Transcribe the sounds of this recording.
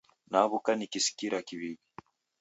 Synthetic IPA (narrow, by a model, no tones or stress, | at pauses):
naβukanikisi̥kiɾakiβiβi